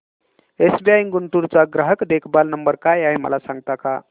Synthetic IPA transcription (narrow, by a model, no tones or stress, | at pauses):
esbiajiŋɡuɳʈuɾt͡saɡɾəɦəkd̪ekʰbalnəmbəɾkajaɦemə̰lasãŋɡ̚t̪aka